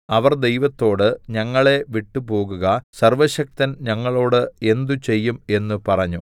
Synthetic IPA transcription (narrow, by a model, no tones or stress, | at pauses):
ɐʋɐrd̪e̞jʋɐt̪ːo̞ːɽɨɲɐŋːɐɭe̞ʋiʈːupo̞ːɣuɣɐsɐrʋɐɕɐk̚t̪ɐnɲɐŋːɐɭo̞ːɽɨe̞nd̪ut͡ɕe̞jːume̞nːupɐrɐɲːu